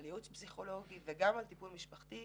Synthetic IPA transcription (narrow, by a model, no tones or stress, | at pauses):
ljutpziχo̞lo̞ɡiveɡamalt̪ipulmiʃpaχt̪i